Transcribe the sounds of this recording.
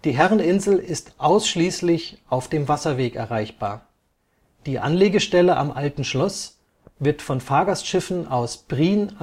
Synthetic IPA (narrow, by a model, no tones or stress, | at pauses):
d̥iːɦɛʁənɪnzl̩ɪstʔaʊsʃliːslɪçʔaʊfd̥eːmvasɐveːkɛ̰ɐʁaɪçb̥aːɐ | d̥iːʔa̰nleːɡəʃtɛləʔa̰mʔaltn̩ʃlɔs | v̥ɪɐtfɔnfaːɐɡastʃɪfn̩ʔaʊsb̥ʁiːn